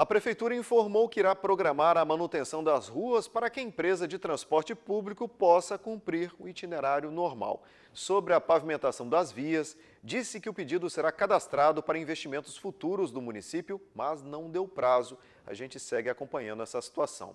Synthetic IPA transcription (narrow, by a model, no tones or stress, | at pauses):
ɐpɾefejt̪uɾɐĩfoɾmowkɪiɾapɾoɡɾamaɾɐmɐ̃nut̪ẽsɐ̃w̃d̪ɐzhuɐspaɾɐkɪɐẽpɾezɐd͡ʒɪt̪ɾɐ̃spɔɾt͡ʃɪpublikʊpɔsɐkũmpɾiɾʊit͡ʃineɾaɾjʊnoɾma̰w | sobɾɪɐpavimẽnt̪asɐ̃w̃d̪ɐzviɐs | d͡ʒisɪkɪʊped͡ʒid̪ʊseɾakad̪ast̪ɾad̪ʊpaɾɐĩvest͡ʃimẽnt̪ʊ̥sfut̪uɾʊzd̪ʊmũnisipjʊmɐznɐ̃w̃d̪ewpɾazʊ | ɐ̰ʒẽnt͡ʃɪsɛɡɪakõpɐ̃ɲɐ̃nd̪ʊɛsɐsi̥t̪uasɐ̰̃w̃